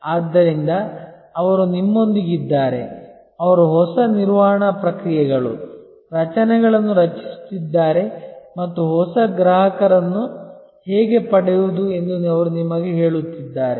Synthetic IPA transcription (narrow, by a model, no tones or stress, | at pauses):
aːd̪ːɐɾind̪ɐː | ʋɐɾunimːo̞nd̪iɡid̪ːaːɾe̞̰ | ɐʋɐɾuɦɔsɐniɾʋaːɳɐpɾɐkɾijɛɡɐɭṵ | ɾɐt͡ʃɐnɛɡɐɭɐnːuɾɐt͡ʃi̥st̪id̪ːaːɾe̞mɐt̪ːuɦɔsɐɡɾaːɦɐkɐɾɐnːu | hɛːɡe̞pɐɽɛjud̪ue̞nd̪unɐʋɐɾunimɐɡeɦe̞ːɭut̪ːid̪ːaːɾe